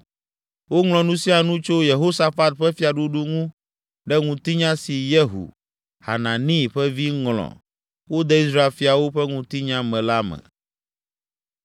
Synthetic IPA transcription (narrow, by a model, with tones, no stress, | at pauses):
wo˦ŋl̃ɔ̃˨nũ˦si˦a˨nũ˦t͡ʃo˦je˨ɦo˦sa˨fa˦t̪̚ɸɛ˦fi˦a˨ɖu˦ɖu˦ŋũ˦ | ɖɛ˦ŋũ˨t̪i˦ɲã˦si˨je˦ɦṵ˨ | ha̰˨nã˨nĩ˦˨ɸɛ˦vi˦ŋlɔ̰̃˨ | wo˦d̪ɛ˦i˦sɾa˦e˨fi˨˦a˨wo˦ɸɛ˦ŋũ˨t̪i˦ɲã˦mɛ̃˨la˦mɛ̰̃˨